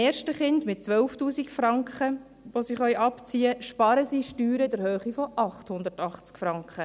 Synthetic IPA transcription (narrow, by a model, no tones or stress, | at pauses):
ɛːɾʃtəχɪndmɪt̚t͡sʋœlftuːsikfrɑŋkχə | ʋosɪχœʏʔɑpt͡siːəʃpɑːɾəsiːʃtyːɾəɪdəɾhøːχifɔʔɑχthʊnd̪əɾtɑχt͡skfɾɑŋkχə